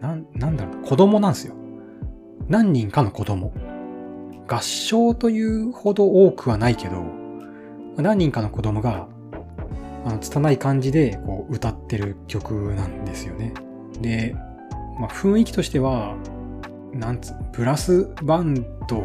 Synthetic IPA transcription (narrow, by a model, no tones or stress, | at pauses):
nanãnd̪aɾokʰo̞d̪o̞mo̞nãɰsɨjo | nãɲ̟ːĩŋkano̞ko̞d̪o̞mo̞ | ɡ̥aɕːo̞ːt̪o̞jɯ̟ːho̞d̪o̞oːkɯ̟βanaike̞d̪o̞ | manãɲ̟ːĩŋkano̞ko̞d̪o̞mo̞ɡa | ano̞t͡sɨ̥t̪anaikãɲ̟d͡ʑid̪e̞ko̞ːɯ̟t̪at̪ːe̞ɾɯ̟kʲo̞kɯ̟nãnd̪e̞sɨjo̞ne | d̪e̞ | maɸɯ̟̃ɰ̃ikʲi̥t̪o̞ɕi̥t̪e̞βa | nãnt͡sɨ̥pɯ̟ɾasɨbãnd̪o̞